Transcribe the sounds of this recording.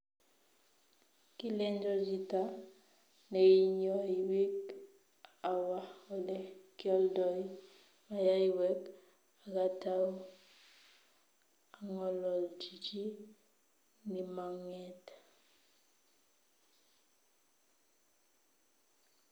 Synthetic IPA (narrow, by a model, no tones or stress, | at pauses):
kilend͡ʒod͡ʒita | neiɲoiwik | awahɔlɛkjɔldɔj | majajiwɛk | aɡataw | aŋɔlɔld͡ʒid͡ʒi | nimaŋet